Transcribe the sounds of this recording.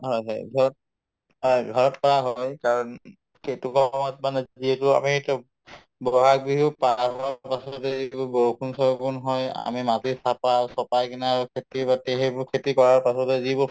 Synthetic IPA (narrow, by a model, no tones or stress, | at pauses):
ɦɔjɦɔ̰jbʱɔɹɔt̚ | ɦɔjbʱɔɹɔtpɔɹaɦɔjkaɹɔn | ketukɔmɔtmanazdietʊa̰mitɔ | bɔɦak̚biɦupaapɔwapasɔtɛikʊbɔkʰunsɔkunɦɔja̰mimatisapasɔpajkinaɹukʰetibateɦɛbʊɹkʰetikɔɹaɹpasɔtɛzibɔ